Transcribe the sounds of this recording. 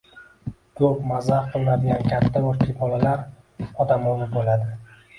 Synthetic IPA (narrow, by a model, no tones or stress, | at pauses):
kʰɵpmazahqʰɨlˠnad̪ɪɡʲankʲʰat̪ʰːabʊɾt̪ʰɪpbɒlalaɾ | ɒd̪amozɪbolad̪ɪ